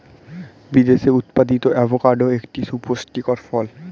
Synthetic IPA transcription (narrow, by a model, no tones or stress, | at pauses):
bid̪eʃeut̪pad̪it̪oʔɛbʱokaɾɖoekʈisuposʈikoɾfɔl